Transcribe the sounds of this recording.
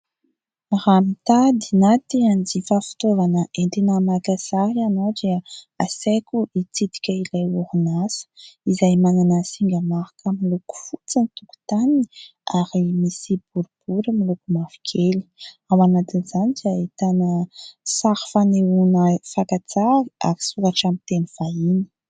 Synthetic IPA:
ɾamit̪ad̪inat̪iand͡zifafi̥t̪ovanəʔent̪inəmakasaɾianoʈ͡ʂeə | asekuʔit͡sid̪i̥kʲəilajuɾunasizajmananəsiŋɡəmaɾḁkʰəmiluku̥fut͡sənit̪uku̥t̪aniaɾimisibuɾub̥uɾəmilukumavi̥kʲʰeli̥awanat̪inz̥anizait̪anəsaɾi̥faneunəfakat͡saɾia̰ɾi̥suɾaʈ͡ʂamint̪eniv̥aini̥

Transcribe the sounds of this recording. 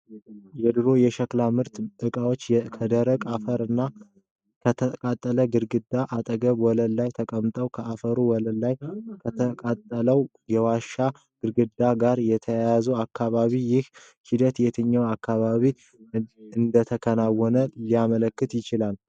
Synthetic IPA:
jɛd̪ɨɾo̞jɛʃəklamɨɾt̪ɨkʼawo̞t͡ʃːjɛkʰəd̪əɾəkʼafəɾɨnːa | kʰət̪ʰəkʼat̪ʼːələɡɨɾɡɨd̪ːaʔat̪ʼəɡəβwɔləlːajt̪ʰəkʼəmt̪ʼəwkʰəʔafəɾuwɔləlːajkʰət̪ʰəkʼat̪ʼːələw | jɛwaʃa | ɡ̥ɨɾɡɨd̪ːaɡaɾjɛt̪ʰəjjazəwakʰːaβaβijɪh | hid̪ət̪jɛt̪ʰɨɲːawakːaβaβi | ɨnd̪ət̪ʰəkʰənawːɔnəlijamələkːɨt̪jɪt͡ʃɪlal

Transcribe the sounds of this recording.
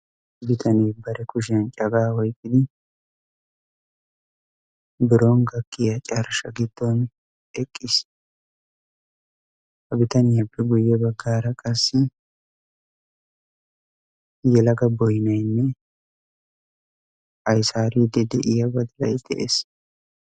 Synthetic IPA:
bɪt̪ʰɐnibɐɾɛkʊʃ̬ɪɐnt͡ʃʼɐɡaːhɔjkʼːɪd̪ɪ | bɪɾoːnɡɐkːɪjɐt͡ʃʼɐɾʃɐɡɪd̪ːoːn | ɛkʼːɪs | hɐbɪt̪ɐnɪjɐpːɛɡʊjːɛbɐɡːaːɾɐkʼɐsːɪ | jɛlɐɡɐbɔjɪnɐjnːɛ | ʔɐjsaːɾiːd̪ɛd̪ɛʔɪjɐbɐd̪ɪlɐjd̪̥ɛ̰ʔḛːs

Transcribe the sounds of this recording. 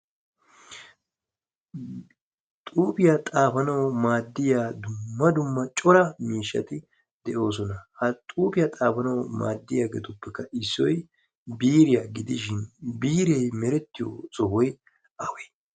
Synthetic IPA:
t̪ʼuːpɪjat̪ʼaːfɐnɐwmaːd̪ːɪjaːd̪ʊmːɐd̪ʊmːɐt͡ʃʼɔɾɐmiːʃːɐ̰t̪ɪ | d̪ɛʔo̞ːsɔnɐhɐt̪ʼuːpɪjat̪ʼaːfɐnɐwma̰ːd̪ːɪjaːɡɛt̪ʊpːɛkːɐʔɪsːɔj | biːɾɪjaɡɪd̪ɪʃ̬ɪnbiːɾɛjmɛɾɛt̪ːɪjo̰sɔɦɔj | ʔɐwe

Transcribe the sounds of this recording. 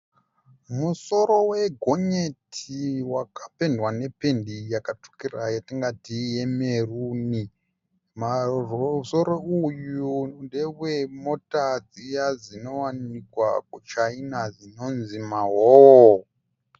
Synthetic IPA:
muso̞ɾo̞we̞ɡʱo̞ɲetʰiwakapendwane̞pe̞ndijakato̥kirajatiŋɡatije̞meruni | marso̞ɾo̞ujundewemo̞tad͡zijazino̞wanikwa̰kut͡ʃainazino̞nzimaɦo

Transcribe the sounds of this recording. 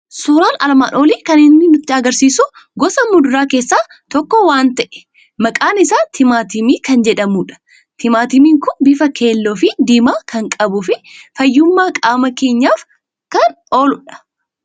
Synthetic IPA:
suːɾaːnɐlɐma̰ːno̞ːliːkɐnɪnːɪnʊt̪ːɪɐɡɐɾsiːsʊ | ɡɔsɐmʊd̪ʊɾaːke̞ːsːaː | t̪ɔkːɔwaːnt̪ɐʔɛ̥ | mɐkʼaːnɪsaːt̪ʰɪmaːt̪ɪmiːkɐnd͡ʒɛᶑɐmuːᶑɐ̥ | t̪ʰɪmaːt̪ɪmiːŋkʊnbɪfɐke̞ːlːoːfɪd̪iːmaːkʰɐŋkʼɐbʊfɪfɐjːʊmːaːkʼaːmɐke̞ːɲːaːf | kɐn | oːlʊᶑɐ̥

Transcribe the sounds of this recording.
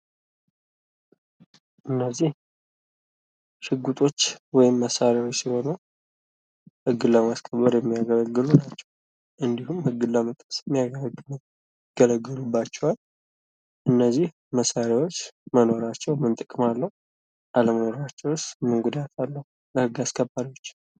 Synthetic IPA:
ʔɨnːəzːih | ʃɨɡːut̪ʼo̞t͡ʃːwɔjɪmːəsaɾjawo̞t͡ʃːsiho̞nəw | hɨɡːɨlːəmaskʰəβːəɾjɛmːijaɡələɡɨlunat͡ʃːɛ̥w | ʔɨnd̪ihumhɨɡːɨlːəmət̪ʼəsɛmːijaɡələɡ | ɡ̥ələɡːɨlubːat͡ʃːɛhwal | ʔɨnːəzːih | məsaɾjawo̞t͡ʃːməno̞ɾat͡ʃːɛwmɨnt̪ʼɨkʼɨmalːəhu | ʔaləməno̞ɾat͡ʃːɛwʊst̪mɨŋɡud̪at̪ʰalːəhu | ləhɨɡːaskʰəbːaɾo̞t͡ʃː

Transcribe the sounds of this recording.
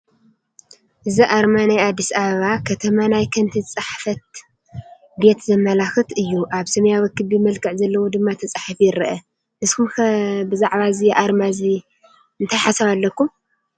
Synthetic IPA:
ʔɨziʔaɾmanajad̪ːisaβɐβakʰɐt̪ʰɐmanajkʰɐnt̪ʰit͡sʼaħfɐt̪̚ | be̞t̪zɐmːɐlaxɨt̪ɨjːuʔaβsɐmɐjawɐkːɨβmɐlkʰɨʕzɐlːɐwod̪ɨmːat̪ʰɐt͡sʼaħfjɪɾɐʔɐ | nɨskʰumkbɨzaʕβazijɛʔaɾmazi | ɨnt̪ʰajħasɐβalːɐkːum

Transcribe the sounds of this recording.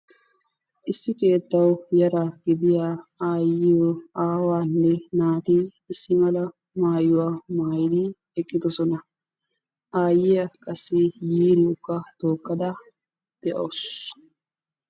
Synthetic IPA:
ʔɪsːɪkʼe̞ːt̪ːɐwjɐɾɐɡɪd̪ɪjaaːjːɪjɔaːwaːnːɛnaːt̪i | ɪsːɪmɐlɐ | maːjʊwaːmaːjd̪ɪ | ɛkʼːɪd̪ɔsɔnɐ | ʔaːjːɪjɐkʼɐsːɪjiːɾɪʊkːɐt̪o̞ːkːɐd̪ɐ | d̪̥ɛʔows

